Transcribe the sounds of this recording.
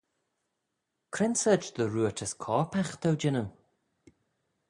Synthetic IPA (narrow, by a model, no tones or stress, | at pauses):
kʰɾɪnsəd͡ʒðəɹuːətʰəskʰɔːɹpʰaxt̪ʰəwd͡ʒɪnəw